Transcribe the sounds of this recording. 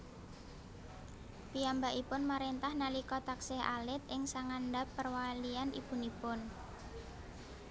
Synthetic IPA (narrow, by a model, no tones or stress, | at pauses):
piambaʔipʊnmaɾent̪ahnalikɔt̪aksɛɦʔa̰lɪt̪̚ʔɪŋsaŋandapːərwalianʔḭpunipʊn